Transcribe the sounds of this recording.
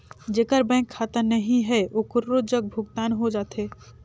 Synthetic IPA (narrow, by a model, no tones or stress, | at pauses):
d͡ʒeːkəɾbɛ̃kʰːat̪ənəɦĩɦɛʔokəɾːod͡ʒəɡ̚bʱʊɡt̪aːnɦod͡ʒaːt̪ʰe